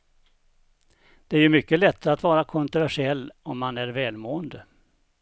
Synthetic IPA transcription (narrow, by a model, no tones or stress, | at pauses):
d̪̥ɛæɾjɵmʏkːəlɛt̪ʰːat̪vɑːɾakʰɔnt̪ɾʊvæʂɪɛlːɔmːanæɾvɛːlmoːənd̪ə